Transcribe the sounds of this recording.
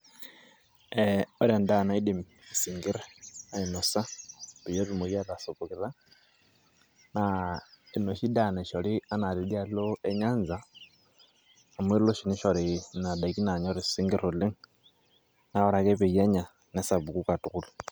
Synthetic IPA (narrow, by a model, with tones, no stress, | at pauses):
eo˦ɾia˨nda˦˨na˨i˦dimii˨siŋɡi˦ɾea˨i˨no˨sa˦βi˨jo˦βimo˨ja˦a˨so˨pokiɾa˦ | nai˨no˨ʃi˦dane˨ʃoli˦a˦na˨lili˦a˦loe˦ɲaː˦nza˨ | mwe˦ɾlo˦ʃi˨ni˦ʃo˨ɾina˨da˨ki˦na˨ɲo˦ɾissi˦ŋɡi˦ɾo˨li˦ŋ | na˦oɾa˨ke˦βe˨je˦ɲa˨ | ne˦saβu˨kuka˨tukulu